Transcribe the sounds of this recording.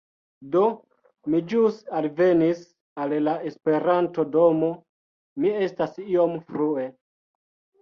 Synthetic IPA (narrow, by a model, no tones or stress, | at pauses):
do̞ | mid͡ʒusalve̞nis | allae̞spe̞ɾanto̞do̞mo̞ | mie̞stasiomfɾue̞